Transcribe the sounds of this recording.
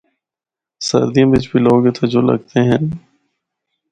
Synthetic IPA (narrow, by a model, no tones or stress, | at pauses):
sə̰ɾd̪ijãːbɪt͡ʃbiloːɡet̪ʰod͡ʒolə̰ɡt̪eɦɛ̃ː